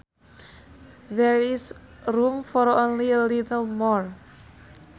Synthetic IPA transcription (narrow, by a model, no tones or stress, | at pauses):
ðɛɹisɾumfɔɾonliəlitəlmɔɹ